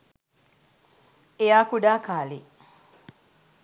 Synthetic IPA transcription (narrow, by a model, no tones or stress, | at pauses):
ejaːkuɖaːkaːli